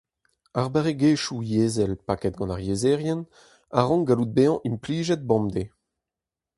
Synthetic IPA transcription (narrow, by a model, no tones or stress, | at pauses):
aʁbaʁeɡeːʃujeːzɛlpakɛt̪̚ɡɑ̃naʁjezɛːʁjɛn | aʁɔ̃ŋɡalud̪̚beɑ̃ʔimpliːʒɛd̪̚bɔ̃md̪e